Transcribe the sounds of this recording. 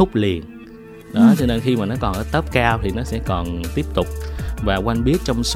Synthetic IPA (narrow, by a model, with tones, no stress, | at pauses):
ʊ˦˥k͡p̚li˨˩ən | ɗɔ˨˦t͡ɕɔ˧ne˧nxi˧maː˨˩nɔ˨˦kɔ˨˩nʔəː˧˩t̪ə˦˥p̚kaː˧wt̪ʰi˨˩nɔ˨˦sɛ̰˧˥kɔ˨˩nt̪i˦˥əp̚t̪ʊ˨˩k͡p̚vaː˨˩kwa˧nɓi˦˥ət̚t͡ɕɔ˧wŋ͡ms